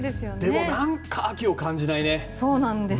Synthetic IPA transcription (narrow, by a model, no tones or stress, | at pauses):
d̪esɨjond̪e̞mo̞nãŋkʰaːkʲio̞kãɲ̟d͡ʑinaineso̞ːnãnd̪es